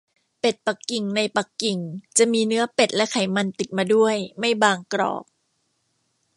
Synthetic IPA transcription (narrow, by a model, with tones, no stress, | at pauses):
pe˨˩t̪̚pa˨˩kːi˨˩ŋna˧jpa˨˩kːi˨˩ŋt͡ɕa˨˩ʔmiː˧nɯ˦˥ɐpe˨˩t̪̚lɛ˦˥kʰa˩˦jma˧nt̪i˨˩t̪̚maː˧du˥˩əjma˥˩jbaː˧ŋkɾɔ̰ː˨˩p̚